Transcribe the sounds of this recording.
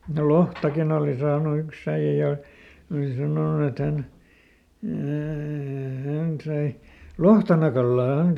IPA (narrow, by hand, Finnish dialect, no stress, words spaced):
no lohtɑkin oˑli sɑːnu yks æij̆æ jɑ oli sɑnoˑnu et hæn æː hæn sɑi lohtɑnɑkɑlːɑː hæn